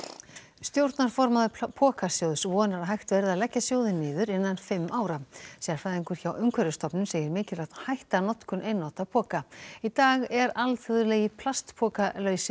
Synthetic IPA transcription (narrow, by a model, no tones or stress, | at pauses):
st̪jowɾt̪naɾ̥fɔɾmaðʏpʰɔːkasjowðsvɔːnaɾaɦajht̪vɛɾðaðlɛcːasjoːwðɪnːɪːðʏɾɪnːanfɪmːʔaːwɾasɛːaɾ̥faðiŋkʏɾ̥çaːwʔʏŋkʰvɛɾʏst̪ɔpnʏmseːjɪɾmɪːcɪlrat̪nhajht̪anɔt̪kʏnʔejnːɔwt̪aðpʰɔːkait̪aːɣɛɾalt̪ʰʏðʏlɛːjɪpʰlast̪pʰɔːkalœːɥsɪ